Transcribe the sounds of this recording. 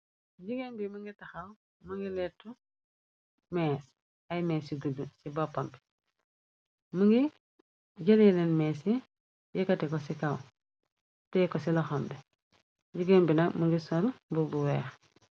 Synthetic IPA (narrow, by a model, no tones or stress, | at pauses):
ɟiɡenbimuŋɡitɐxɐw | muŋɡilɛtːu | mɛs | ɐjmɛːsiɡudusibɔpːambi̥ | muŋɡi | ɟɐlilɛnmɛːsi | jikɐtɛkɔsikɐw | tɛkɔsilɐxɔmbɛ | ɟiɡenbinɐkmuŋɡisɔlbubuwɛːx